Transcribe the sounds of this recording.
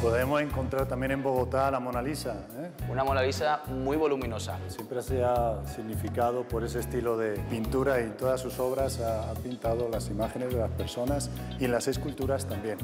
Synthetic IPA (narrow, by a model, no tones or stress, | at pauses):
po̞ðe̞mose̞ŋko̞nt̪ɾaɾt̪amje̞ne̞mbo̞ɣ̞o̞t̪alamo̞nalisa | eunamonalisamujβo̞lumĩnosa̰sje̞mpɾaseasiɣnifikað̞o̞po̞ɾe̞s̬e̞ːst̪ilo̞ðe̞pint̪uɾait̪o̞ðasːuso̞β̞ɾasaːpint̪að̞o̞lasimaxe̞ne̞zðelaspe̞ɾso̞nas | ie̞nlase̞skult̪uɾast̪ambje̞n